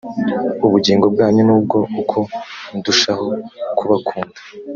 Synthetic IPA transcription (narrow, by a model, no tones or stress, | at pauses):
uβuɟiːŋɡob̚ɡaːɲonuːb̚ɡo̞ukʰo̞nduʃaho̞kʰuβakʰuːndḁ